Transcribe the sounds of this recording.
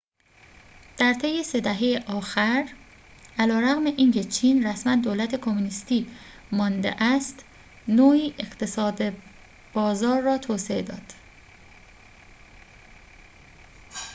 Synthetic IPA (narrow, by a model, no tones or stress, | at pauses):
d̪̥æɾt̪ʰe̞jːese̞d̪æɦejeʔɒːxæɾ | ʔælɒːɾæɣme̞ʔiːŋcʰe̞t͡ʃʰiːnræsmænd̪oːlæt̪ʰe̞kʰo̞munist̪iː | mɒːnd̪ḛʔæst̪ | noːiːʔeχt̪ʰe̞sɒːd̪e | b̥ɒːzɒːɾːɒːt̪ʰoːsee̞d̪ɒ̰ːd̪̥